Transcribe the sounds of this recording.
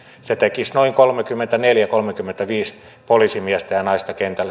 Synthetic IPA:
set̪ekisnoiŋkolmekymːent̪æneljækolmekymːent̪æʋiːs | polisimiæst̪æjɑnɑist̪ɑkent̪ælː

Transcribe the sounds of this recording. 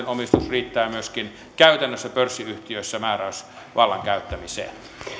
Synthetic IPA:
nomist̪usriːt̪ːæːmyøskin | kæyt̪ænːøsːæpørsːiyht̪iøsːæmæːræys | ʋʔɑlːɑŋkæyt̪ːæmisḛːn

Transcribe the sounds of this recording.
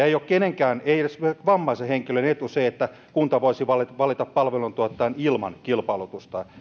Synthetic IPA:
eijokkeneŋkæːneiesʋɑmːɑiseheŋkilønet̪useet̪ːæ | kunt̪ɑʋoisiʋɑlʋɑlit̪ɑppɑlʋelunt̪uɑt̪ːˑɑinilmɑ̰nkilpɑilut̪ust̪ɑ

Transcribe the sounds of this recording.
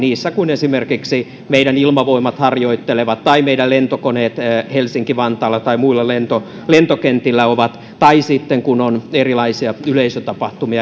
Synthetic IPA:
niːsːækunesimerkiksi | meiɾænilmɑʋoimɑt̪hɑrjoit̪ːeleʋɑt̪t̪ːɑimeidællent̪okoneːt̪ːhelsiŋkiʋɑnt̪ɑːlːɑt̪ɑimuilːɑlent̪o | lent̪okent̪ilːæoʋɑt̪ | t̪ɑisit̪ːeŋkunonerilɑisiɑyleisøt̪ɑpɑht̪umiɑ

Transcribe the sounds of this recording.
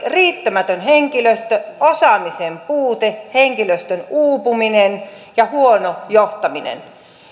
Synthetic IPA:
riːt̪ːæmæt̪ønheŋkiløst̪øosɑmisempuːt̪eheŋkiløst̪ønuːpuminenjɑhuonojoht̪ɑminḛn

